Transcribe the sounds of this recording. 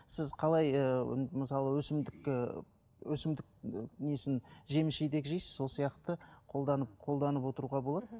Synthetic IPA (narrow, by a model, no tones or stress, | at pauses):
sɪzqʰɑlˠɑjə̰məsɑlˠəwɵsɪmd̪ɪkɪ | wɵsɪmd̪ɪk̚nesɪnʒe̞mɪsʃejd̪ekʲʒejsɪzso̞lˠsijɑqt̪əqʰo̞lˠd̪ɑnəp̚qʰo̞lˠd̪ɑnəpwo̞t̪əɾuʁɑbo̞lˠɑd̪ə